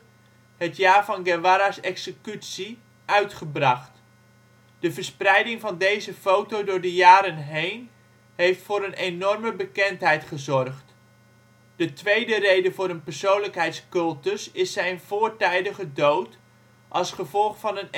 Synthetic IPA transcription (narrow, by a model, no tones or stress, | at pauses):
ɦətjaːɹvɑnɡɛʋaɾasɛksəkytsi | œɥtχəbrɑχt | d̥əvəɹsprɛjdɪŋvɑndejzəfowtowdʊːɹdəjaːɾənɦejn | ɦejftfʊːɾənenɔrməbəkɛntɦɛjtχəzɔrχt | d̥ətʋejdərejdəvʊːɾənpəɹsownləkɦɛjtskɵlˠtəsɪsːɛjnv̥ʊːɹtɛjdəχədowt | ʔɑlˠsχəvɔlˠχfɑnən